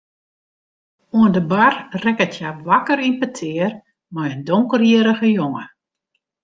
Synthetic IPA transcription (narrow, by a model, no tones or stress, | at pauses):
uəndəbarrɛkətʰjaʋakəɾinpətʰɪər | mɔjəndoŋkərjiəɾəɣəjoŋə